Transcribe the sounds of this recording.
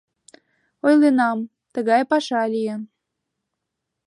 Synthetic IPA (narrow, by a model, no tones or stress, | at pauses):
ojlenɑm | t̪əɣɑjpɑʃɑlʲijen